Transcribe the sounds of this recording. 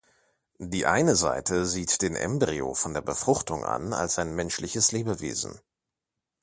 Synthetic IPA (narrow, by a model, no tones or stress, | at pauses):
d̥iːʔaɪnəza̰ɪtʰəziːtd̥eːnʔɛ̰mbʁio̰fɔndeːɐbəfʁ̥ʊχtʊŋʔa̰na̰lsʔaɪnmɛnʃlɪçəsleːbəvḛːzn̩